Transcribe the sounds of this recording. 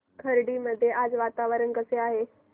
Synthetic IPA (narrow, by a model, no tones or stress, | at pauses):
kʰɐɾɖimɐd̪ʱjeʔaːd͡ʑʋaːt̪aːʋəɾənɡɐseaːɦeː